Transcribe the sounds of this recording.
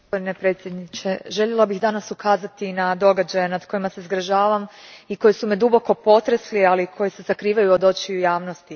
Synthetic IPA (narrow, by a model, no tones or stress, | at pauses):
ɡospo̞d̪ine̞pɾet̪sʲjed̪nit͡ɕe̞ʒe̞ʎe̞labiɣd̪anasukaːzat̪inad̪o̞ɡad͡ʑajenad̪ko̞jimase̞izɡɾaʒaːʋamiko̞jisumed̪ubo̞ko̞po̞t̪ɾeslialikʰo̞jise̞zakɾiːʋajuod̪o̞t͡ɕiujaːʋno̞st̪i